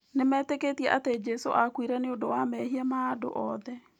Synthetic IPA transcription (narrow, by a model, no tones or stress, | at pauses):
nemɛːteketiɛʔated͡ʒɛso̰ʔakwiɾɛneodowamɛɦiamaado̰ʔɔðɛ